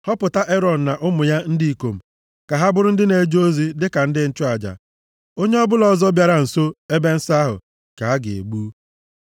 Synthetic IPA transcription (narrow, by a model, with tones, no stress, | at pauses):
hɔ˦pʊ˨ta˦ʔe˦ɾɔ˨n̩˨na˨ʔʊ˦mʊ˨ja˦n̩˦di˦i˨ko˨m̩˨ | ka˨ɦa˦bʊ˦ɾʊ˦n̩˦dɪ˦ne˨d͡ʒoo˦zi˦dɪ˦ka˨n̩˦dɪ˦n̩˦˨t͡ʃʊ˦a˨d͡ʒa̰˨ | o˦ɲe˦ɔ˦bʊ˦lɔ˨zɔ˦bja˨ɾa˨n̩˨so˦e˦be˦n̩˦sa˦ɦʊ̰˨ | ka˨a˦ɡɪ̰˨ḛ˨ɡ͡bu˦